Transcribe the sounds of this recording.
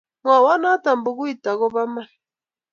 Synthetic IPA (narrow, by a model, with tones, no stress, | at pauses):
ŋa˨wa˦na˦ta˨m˨bu˨ɣu˦i˨ta˨ɣɔ˦βa˦ma˦